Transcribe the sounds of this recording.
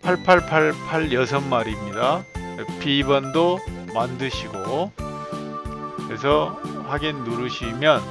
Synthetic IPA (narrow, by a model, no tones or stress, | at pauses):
pʰaɭpʰaɭpʰaɭpʰaɭjʌs̬ʰʌnmaɾimɲida | epibʌndo | mandɯɕʰiɡo | kɯɾesʰʌhaɡennːuɾuɕʰimjʌn